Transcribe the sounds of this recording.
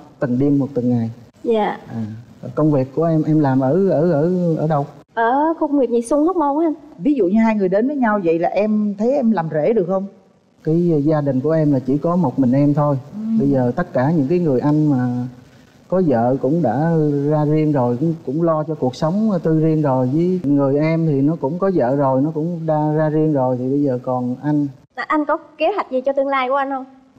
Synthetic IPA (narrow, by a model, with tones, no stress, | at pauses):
t̪ɨ˨˩ŋɗi˧əmːo˨˩t̚t̪ɨ˨˩ŋŋa˨˩j | aː˧˩˨ʔaː˨˩˨kə˧wŋ͡mvi˨˩k̚ːu˧˩əʔɛ˧mʔɛ˧mlaː˨˩mʔəː˧˩ʔəː˧˩ʔəː˧˩ʔəː˧˩ɗə˧w | ʔəː˧˩xə˧wŋ͡mwi˨˩k̚ɲi˨˩sʊ˧ŋ͡mhə˦˥wk͡p̚mo˧wŋ͡mha˧mvi˨˦zṵ˧˨ɲɨ˧ɦaː˧jŋɨ˨˩əjɗe˨˦nvəː˨˦ɲa˧wvə̰˧˨jlaː˨˩ʔɛ˧mt̪ʰə˨˦jʔɛ˧mlaː˨˩mzḛ˧˩ɗɨ˨˩ək̚hə˧wŋ͡m | kaː˨˦jzaː˧ɗï˨˩ŋ̟ku˧˩əʔɛ˧mlaː˨˩t͡ɕi˧˩kɔ˨˦mo˨˩t̚mï˨˩ŋ̟ʔɛ˧mt̪ʰo˧jɓə˧jzəː˨˩t̪ə˦˥t̚kaː˧˩ɲɨ̰˧˥ŋk̬aː˨˦jŋɨ˨˩əjʔa˧jŋ̟maː˨˩ | kɔ˨˦zə̰ː˧˨kʊ̰˧˥ŋ͡mɗa̰ː˧˥zaː˧zi˧ənzo˨˩jkŋ͡mkʊ̰˧˥ŋ͡mlɔ˧t͡ɕɔ˧ku˨˩ək̚sə˨˦wŋ͡mt̪ɨ˧zi˧ənzo˨˩jvɨː˨˦ŋɨ˨˩əjʔɛ˧mt̪ʰi˨˩nɔ˨˦kʊ̰˧˥ŋ͡mkɔ˨˦zə̰ː˧˨zo˨˩jnɔ˨˦kʊ̰˧˥ŋ͡mɗaː˧zaː˧zi˧əŋzo˨˩jt̪ʰi˨˩ɓə˧jzəː˨˩kɔ˨˩nʔa˧jŋ̟laː˨˩ʔa˧jŋ̟kɔ˨˦ke˨˦ha˨˩k̟̚zi˨˩t͡ɕɔ˧t̪ɨ˧əŋlaː˧jku˧˩˦ʔa˧n̟o˧j